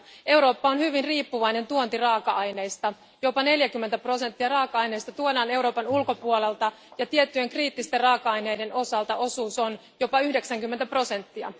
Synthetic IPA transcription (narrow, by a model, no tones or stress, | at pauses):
e̞wɾo̞ːpːɑonhyʋinriːpːuʋɑjne̞nt̪uont̪irɑːkɑʔɑjne̞jst̪ɑ | jo̞pɑne̞ljækymːent̪æpro̞sent̪ːiɑrɑːkɑɑjne̞jst̪ɑt̪uodɑːne̞wɾo̞ːpɑnulko̞puole̞lt̪ɑjɑt̪iet̪ːyje̞ŋkriːt̪ːist̪errɑːkɑɑjne̞ːjde̞nʔo̞sɑlt̪ɑʔo̞suːso̞n | jo̞pɑyhdeksæŋkymːent̪æpro̞se̞nt̪ːiɑ̰